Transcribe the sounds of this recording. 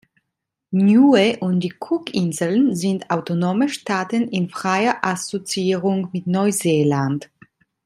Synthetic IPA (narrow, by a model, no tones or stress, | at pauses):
njuːeʔʊnt̚d̥iːkʰʊkɪnzl̩nzɪntaʊtonoːməʃtaːtənɪnfʁ̥aɪɐʔasot͡siiːʁʊŋmɪtnɔʏzeːlant